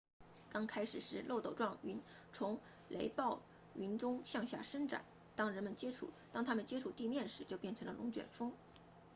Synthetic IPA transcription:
kɑ˥ŋkʰa˥ɪʂɻ̩˨˩ʂɻ̩˥lʔo˥˩ʊt̪o˨˩ʊʈ͡ʂwɑ˥˩ŋy˧˥n | t͡sʰʊ˧˥ŋ | le˧˥ɪpɑ˥˩ʊ | y˧˥nʈ͡ʂʊ˥ŋɕjɑ˥˧ŋɕja̰˥˩ʂə˥ŋʈ͡ʂa̰˨˩˦n | t̪ɑ˥ŋɻə˧˥nmə˨nt͡ɕjɛ˥ʈ͡ʂʰṵ˥˩t̪ɑ˥ŋt̪ʰa˥mə˨nt͡ɕjɛ˥ʈ͡ʂʰu˥˩t̪i˥˧mjɛ˥˩nʂɻ̩˧˥t͡ɕjo˥˧ʊpjnʈ͡ʂʰɤ˧˥ŋlə˧lʔʊ˧˥ŋt͡ɕɥɛ̰˨˩nfɤ˥ŋ

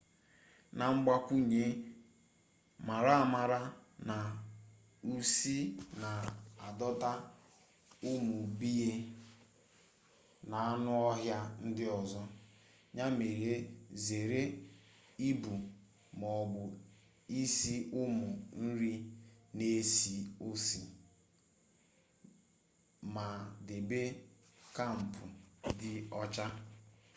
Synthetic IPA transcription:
na˨ŋ͡m̩˦ɡ͡ba˦kʷu˦ɲe˦ | ma˨ɾa˦˨ma˨ɾa˦na˨ | u˨si˦na˨a˨dɔ˦ta˦ | ʊ˦mʊ˨bi˦je˦ | na˨a˦nʊ˦ɔ˦ɦja˦n̩˦dɪ˦ɔ˨zɔ˦ | ɲa˦me˨ɾe˦ze˨ɾe˦ | i˦bu˨ | mɔ˨bʊ˨ | i˦si˦ʔʊ˦mʊ˨n̩˦ɾi˦ne˦si˨o˦si˨ | ma˨de˨be˦ | ka˦˨m̩˨pʰʊ˨dɪ˦ɔ˦t͡ʃa˦

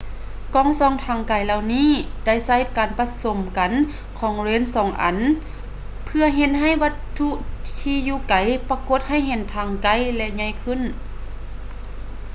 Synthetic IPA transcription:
kɔː˧˥˨ŋsɔː˧˦ŋt̪ʰaː˧˩ŋka˨˩jla˧wniː˧˥˨da˧˥˩jsa˧˥˩jkaː˨npa˧˥so˨˦mka˨˦n | kʰɔː˨˩˦ŋleː˧˥˨nsɔː˨˦ŋʔa̰˨˦n | pʰɯ˧ɐɦe˧˦n̚ɦa˧˥˩jʋa˧˥t̪ʰːu˧˥ʔt̪ʰiː˧juː˧˩ka˨˦jpa˧ko˧˦t̪̚ɦa˧˥˨jɦe˨˧˦nt̪ʰaː˨˧ŋka˧˩jlɛ˧ɲa˧˥˨jkʰɯ˧˥˨n

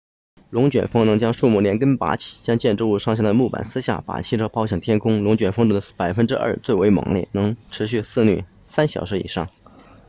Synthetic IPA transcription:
lʊ˧˥ŋt͡ɕɥɛ˨˩nfɤ˥ŋnɤ˧˥ŋt͡ɕjɑ˥ŋʂu˥˧mu˥˩ljɛ˧˥nkə˥npa̰˧˥t͡ɕʰi̥˨˩t͡ɕjɑ˥ŋt͡ɕjɛ˥˧nʈ͡ʂu˥˧u˥˧ʂɑ˥˧ŋɕ̬jɑ˥˩d̪ə˩mu˥˩pa̰˨˩nsɹ̩˥ɕja̰˥˩pa̰˨˩t͡ɕʰi˥˩ʈ͡ʂʰɤ˥ʊpʰɑ˥ʊɕjɛ˨˩ŋt̪ʰjɛ˥nkʰʊ˥ŋlʊ˧˥ŋt͡ɕɥɛ˨˩nfɤ˥ŋʈ͡ʂʊ˥˩d̪ə˧pa˨˩ɪfə˥nʈ͡ʂɻ̩˥ʔɐ̰˞˥˧t͡swe˥˩ɪwe˧˥ɪmɑ̰˨˩ŋljɛ̰˥˩nɤ˧˥ŋʈ͡ʂʰɻ̩˧˥ɕ̬y˥˧sɹ̩˥˧ny̰˥˩ | sa˥nɕjɑ̰˨˩ʊʂɻ̩˧˥ḭ˨˩ʂɑ̰˥˩ŋ

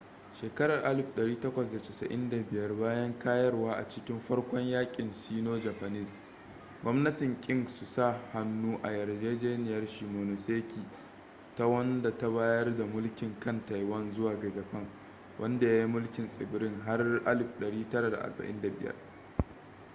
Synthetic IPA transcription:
ʃeː˨kɐ˦ɾɐ˨rʔa˦lɪ˨ɸɗɐ˨ɽiː˦tɐ˦kʷɐ˨sda˨tɪ˨sɐ̰˨ʔɪ˦nda˨bɪ˨jɐ˦rbaː˦jɐ˦ŋkaː˦jɐ˦rwaː˦ʔa̰˨t͡ʃɪ˦kʲɪ˦mɸɐ˦ɽkʷɔ˦ɲjaː˦kʲʼɪ˨nsiː˦noː˦d͡ʒa˨pa˨nɪ˦˨s | ɡʷɔ˦mnɐ˦tɪ˨ŋkʲʼɪ˦ŋsu˨sa˦˨ha˨nːuː˦ʔa˨jɐ˨rd͡ʒeː˦d͡ʒeː˦nɪ˨jɐ˦rʃiː˨moː˨no˨seː˦kʲʰiː˨ | ta˦wɐ˦nda˨ta˦baː˦jɐ˦rda˨mʊ˦lkʲɪ˨ŋkɐ˦nta˨jwɐ˦nzʊ˦waː˨ɡɐ˨d͡ʒɐ˨ɸɐ˦˨ŋ | wʔɐ˦nda˨ja˦ji˦mʊ˦lkʲɪ˨nsʼɪ̰˨bɪ˨ɾɪ˦ŋɦa˦rʔa˦lɪ˨ɸɗɐ˨ɽiː˦tɐ˦ɾa˨da̰˨ʔa̰˨rbɐ̰˨ʔɪ˦nda˨bɪ̰˨jɐ̰˦r

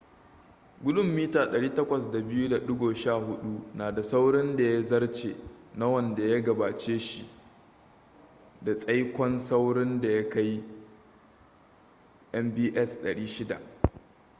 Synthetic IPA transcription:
ɡʷʊ˦ɗʊ˦˨mːiː˦taː˨ɗɐ˨ɽiː˦tɐ˦kʷɐ˨sda˨bɪ˦ju˦da˨ɗʊ˦ɡoː˨ʃaː˦˨hʊ˦ɗu˦naː˨da˨sa˦wɽɪ˦nda˨ja˦zɐ˦rt͡ʃḛː˨na˦wɐ˦˨nda˨ja˦ɡɐ˨baː˨t͡ʃeː˦ʃi˨ʔ | da˨sʼɐ˦jkʷɔ˦nsa˦wɽɪ˦nda˨ja˦ka˦j | ʔɛ˦mbiː˦ʔɛ˦sɗɐ˨ɽiː˦ʃɪ˦da̰˨ʔ

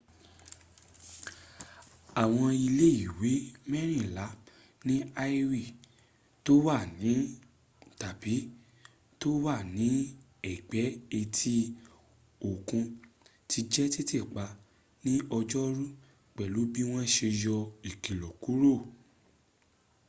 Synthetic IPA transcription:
a˨w̃ɔ̃˧i˧le˦i˦˨we˨˦mɛ˦ɾ̃ĩ˦˨la˨˦ | nĩ˦a˦i˦ɾi˦˨ | to˦wa˦˨nĩ˨˦ | ta˨bi˨˦ | to˦wa˦˨nĩ˨˦ | ɛ˨ɡ͡bɛ˨˦e˧tʰi˦ | o˨kũ˧ | tʰi˧˦d͡ʒɛ˦ti˦te˦˨k͡pa˧ | nĩ˦ɔ˧d͡ʒɔ˦ɾũ˦ | k͡pɛ˨lu˨˦bi˦w̃ɔ̃˦ʃe˧jɔ˧i˨ki˨lɔ˨ku˨˦ɾo˦˨

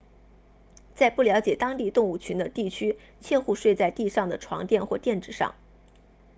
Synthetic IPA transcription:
t͡sa˥˧ɪpu˥˩ljɑ˧˥ʊt͡ɕjɛ˨˩t̪ɑ˥ŋt̪i˥˧t̪ʊ˥˧ŋu˥˩t͡ɕʰy˧˥nd̪ə˧t̪i˥˩t͡ɕʰy˥ | t͡ɕʰjɛ˥˧nxu˥˧ʂwe˥˧ɪt͡sa˥˧ɪt̪i˥˧ʂɑ˥˩ŋd̪ə˩ʈ͡ʂʰwɑ̰˧˥ŋt̪jɛ˥˧nxwɔ˥˧t̪jɛ˥˩nʈ͡ʂɻ̩˥˩ʂɑ̰˥˩ŋ

